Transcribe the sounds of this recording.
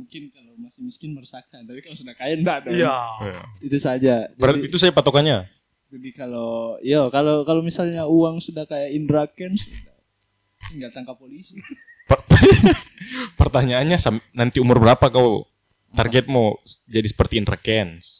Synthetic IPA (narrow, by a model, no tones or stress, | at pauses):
muŋkɪnkalomasɪmiskɪnmərsakant̪apikalsudahkajanbadajaait̪usad͡ʒabaəɾait̪usad͡ʒapat̪okanɲa | d͡ʒadikalojakalokalomisalɲauaŋsudahkajainɾakɛnsuda | ŋɡat̪aŋkapolisi | pəp | pərt̪aɲaːnɲasamnant̪iumʊrbəɾapakao | t̪a̰rɡɛt̪̚mod͡ʒadisə̥pərt̪iɪnra̰kɛns